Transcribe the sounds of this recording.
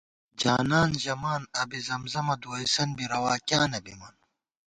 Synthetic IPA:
d͡ʑaːnaːnʑɐmaːnɐbizɐmzɐmɐd̪uːisɐnbiɾɐwaːkjaːnɐbimɐn

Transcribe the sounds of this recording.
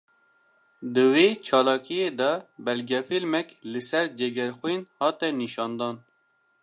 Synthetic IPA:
d̪ɨweːt͡ʃʰɑːlɑːkijeːd̪ɑbɛlɡɛfilmɛklɨsɛɾd͡ʒɛɡɛɾxwinhɑːt̪ɛniʃɑːnd̪ɑːn

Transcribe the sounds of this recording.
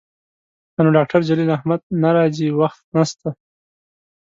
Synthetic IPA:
anoɖɑk̚ʈaɾd͡ʒalilahmad̪̚naɾɑziwaxt̪̚nast̪a

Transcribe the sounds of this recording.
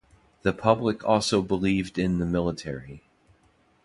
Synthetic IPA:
ðɨpʰʌbləkʰɔlˠsoʊbəlivdɪ̃nðɨmɪlˠətʰɛɹi

